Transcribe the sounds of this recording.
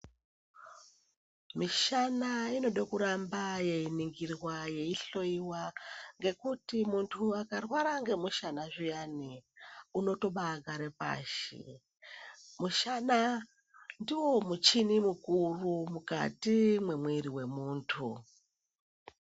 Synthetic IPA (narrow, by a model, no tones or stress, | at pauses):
miʃanaino̞ɗokuɾambaje̞iniŋɡirwaje̞iɬo̞iwaŋɡe̞kutimuntʰuakarwaɾaŋɡe̞muʃanaʐijaniuno̞to̞ɓaɡʱaɾe̞pa̰ːʃḭ | muʃana | ndiwo̞mut͡ʃinimukurumuka̰timwe̞mwiɾiwe̞muːntʰu